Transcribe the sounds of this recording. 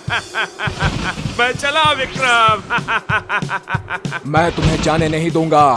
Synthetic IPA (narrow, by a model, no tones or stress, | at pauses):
mɛt͡ʃɐlaːʋɪkɾaːm | mɛ̃ːt̪ʊmɦẽd͡ʒaːnenɐɦĩd̪ũːŋɡaː